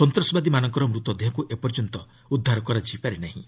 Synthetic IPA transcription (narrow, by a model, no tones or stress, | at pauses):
sɔnt̪ɾɔsɔbad̪imanɔŋkɔɾɔmɾut̪ɔd̪eɦɔ̃kuʔepɔɾd͡ʒɔnt̪ɔ | ud̪ʱːaɾɔkɔɾat͡ʃʰiipaɾenaɦḭ̃